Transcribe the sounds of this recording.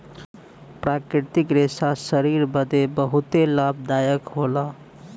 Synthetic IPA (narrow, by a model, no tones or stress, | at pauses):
pɾakɾit̪ikɾesasəɾiɾbəd̪ebəɦut̪elab̚d̪ajəkɦolʌ